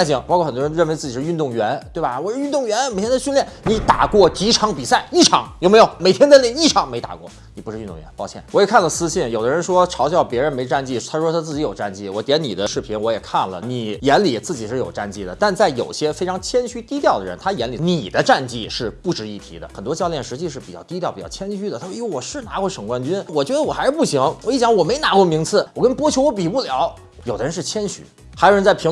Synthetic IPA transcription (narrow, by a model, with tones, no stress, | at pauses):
t͡ɕi˧˩˦ŋpɑ˥˧kʰɔ˥˩xə˨˩t̪wɔ˥˧˥ɻə˥˩˧we˧˥ɪt͡sɹ̩˥˩t͡ɕi˨˩ʂɻ̩˥˧y˥˧nt̪ʊ˥˩ŋɥɛ˧˥nt̪we˥˩bɐ˩wɔ˨˧˩ʂɻ̩˥˧y˥˧nt̪ʊ˥˩ŋɥɛ˧˥nme˨˩ɪt̪ʰjɛ˥ə˧ɕy˥˧nljɛ˥˩nni˧˥t̪a̰˨˩kwɔ˥˧t͡ɕi˧˥ʈ͡ʂʰɑ˧˥ŋpi˨˩sa˥˩ɪi˥˩ʈ͡ʂʰɑ˧˥ŋjʊme˧˥ɪjo˨˧˦me˨˩ɪt̪ʰjɛ˥nt̪li˥˩i˥˩ʈ͡ʂʰɑ˧˥ŋme˧˥ɪt̪a̰˨˩kwɔ̰˥˧ | ni˨˩pu˧˥ʂ̩˥˧y˥˧nt̪ʊ˥˧ŋɥɛ̰˧˦npɑ˥˧ʊt͡ɕʰjɛ˥˩wɔ˧˥jɛ˨˩kʰa˥˩lə˩sɹ̩˥ɕi˥˩njo˨˩d̪ə˦ɻə˧˥nʂwɔ˥ʈ͡ʂʰɑ˧˥ʊjɑ˥˩ʊpjɛ˧˥ɻə˧˥nme˧˥ɪ˧ʈ͡ʂa˥˧nt͡ɕi˥˩t̪ʰa˥ʂ̩ɻʂwt̪ʰt͡sɹ̩˥˩t͡ɕi˧˥jo˨˩ʊʈ͡ʂa˥˧nt͡ɕi˥˩wɔ˧˩t̪jɛ˧˥ni˨˩d̪ə˦ʂɻ̩˥˩pʰi˧˥nwɔ˧˥jɛ˨˩kʰa˥˩nlə̰˩ni˨˩jɛ˧˥nli˨˩t͡sɹ̩˥˩t͡ɕi˨˩ʂɻ̩˥˩jo˨˩ʊʈ͡ʂa˥˧nt͡ɕi˥˩d̪ə˩t̪a˥˧nt͡sa˥˩ɪjo˨˩ʊɕjɛ˥fe˥ɪʈ͡ʂʰɑ˧˥ŋt͡ɕʰjɛ˥nɕy˥t̪i˥t̪jɑ˥˩ʊd̪ə˩ɻə˧˦˥nt̪ʰa˥jɛ˧˥nli˨˩ni˨˩d̪ə˦ʈ͡ʂa˥˧nt͡ɕi˥˧ʂɻ̩˥˧pu˥˩ʈ͡ʂɻ̩˧˥i˥˩t̪ʰḭ˧˥d̪ə̰˧xə˨˩nt̪wɔ˥t͡ɕjljɛ˥˩nʂɻ̩˧˥t͡ɕi˥˧ʂɻ̩˥˩pi˨˩t͡ɕjɑ˥˩t̪i˥t̪jpi˨˩t͡ɕɑ˥˩t͡ɕʰjɛ˥nɕy˥d̪ə˩a˥ʂwɔ˨˩ʂɻ̩˥˩na˧˥kwɔ˥˩ʂɤ˨˩ŋkwa˥nt͡ɕy˥nwɔ˨˩t͡ɕɥɛ˧˥ə˧wɔ˨˩a˧˥ɻ̩˥˧pu˥˩ɕi˧˥ŋwɔ˨˧i˥˩t͡ɕjŋwɔ˨˩me˧˥ɪna˧˥kwɔ˥˩mi˧˥ŋt͡sʰɹ̩˥˩wwɔ˨˩kə˥npwɔ˥t͡ɕʰjo˧˥ʊwɔ˧˥p̬i˨˩pu˥˩ljɑ˧˥ʊ | jo˨˩ʊd̪ə˧ɻə˧˥nʂɻ̩˥˩t͡ɕʰjɛ˥nɕy̰˧˥ | xa˧˥jo˨˩ə˧˥nt͡sʰi˧˥